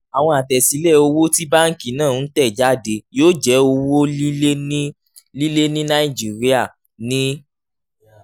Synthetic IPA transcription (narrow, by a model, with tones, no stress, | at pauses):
a˨w̃ɔ̃˧a˨tɛ˨si˨˦lɛ˦˨o˧wo˦ti˦ba˦ŋ̩˦ki˨nãː˦˨n̩˦tɛ˦˨d͡ʒa˦de˧˦joː˦d͡ʒɛ˨˦o˧wo˦i˦e˦ | li˦le˦nĩ˦na˦i˦˨d͡ʒi˨˦˨ɾi˦a˦˨ | nĩ˦